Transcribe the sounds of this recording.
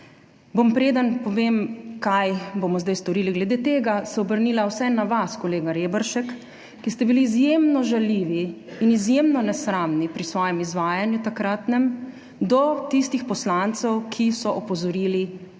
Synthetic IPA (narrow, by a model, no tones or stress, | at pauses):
bompɾeːd̪ənpɔʋeːmkajbomɔzd̪ajst̪ɔɾiːliɡlɛd̪eːt̪eːɡasɛɔbəɾnilawsɛnːaʋaskɔleːɡaɾeːbəɾʃɛkː | ist̪ɛbiliːzjemnɔʒaliːʋiːnizjemnɔnɛsɾamnipɾisʋɔːjɛmizʋaːjanjut̪akɾat̪nɛm | d̪ɔt̪ist̪ixpɔslant̪sɛwkʰisɔʔɔpɔzɔɾiːli